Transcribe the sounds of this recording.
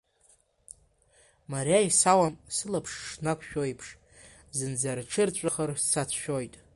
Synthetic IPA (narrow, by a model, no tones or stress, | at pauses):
maɾjajsawamsɨlapʰʂʂnakʷʰʃᶣojpʰʂ | zɨnd͡zarʈ͡ʂʰɨrt͡ɕʷʼaχarst͡sʰat͡sʰʃᶣo̞jtʼ